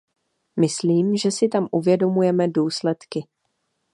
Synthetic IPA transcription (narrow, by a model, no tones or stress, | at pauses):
mɪsliːmʒɛsɪt̪amʔuvjɛdo̞mujɛmɛduːslɛt̪kɪ